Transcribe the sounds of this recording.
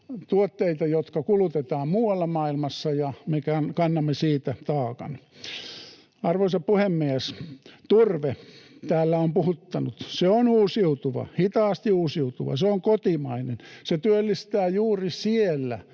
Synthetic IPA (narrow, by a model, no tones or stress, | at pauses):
t̪uot̪ːeit̪ɑjot̪kɑkulut̪et̪ɑːmmuːwɑlːɑmɑːilmɑsːɑjɑmekænkɑnːɑmːesiːt̪æt̪ɑːkɑ̰n | ɑrʋoisɑppuhemːiæst̪urʋet̪æːlːæompuhut̪ːɑnut̪seonuːsiut̪uʋɑ̰hit̪ɑːst̪iuːsiut̪uʋɑ̰seoŋkot̪imɑinenset̪yølːist̪æːjuːrisielːæ̰